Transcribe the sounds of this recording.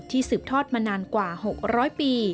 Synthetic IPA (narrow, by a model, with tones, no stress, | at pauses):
t̪ʰːiː˥˩sɯː˨˩p̚t̪ʰɔː˥˩t̪̚maː˧naː˧nkwaː˨˩ho˨˩k̚ɾɔː˦˥jpiː˧